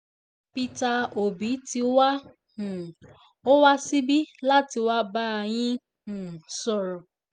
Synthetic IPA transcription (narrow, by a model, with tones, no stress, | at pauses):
pi˧ta˧o˨bi˨˦ti˧wa˦ | ũ˨ | o˦wa˦si˦bi˦la˦ti˧wa˦ba˦˧j̃ĩ˦ | ũ˨sɔ˨ɾɔ˨